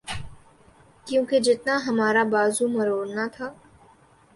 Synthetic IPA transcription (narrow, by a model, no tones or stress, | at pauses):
kjõːked͡ʒɪt̪naɦɐmaːɾabaːzũmɐɾoːɾnat̪ʰaː